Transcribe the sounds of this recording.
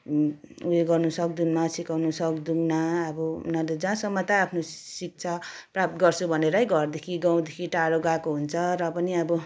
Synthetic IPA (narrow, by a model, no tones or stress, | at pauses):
ueɡʌrnusʌk̚d̪unnʌsikawnusʌkd̪uŋnaːbʌṵnalod͡zãsʌmːʌt̪ʌapʰnosik̚t͡sʰʌprap̚t̪ɡʌrt͡sʰubʱʌneɾʌjɡʱʌrd̪ekʰiɡãw̃d̪ekʰiʈaɽoɡakoɦunt͡sʰʌɾʌpʌniʌbʌ